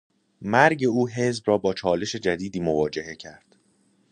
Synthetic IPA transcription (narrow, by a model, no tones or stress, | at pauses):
mæɾɟe̞uːɦe̞zbrɒːbɒːt͡ʃʰɒːle̞ʃe̞d͡ʒæd̪iːd̪iːmo̞vɒːd͡ʒe̞he̞cʰæɾd̪̥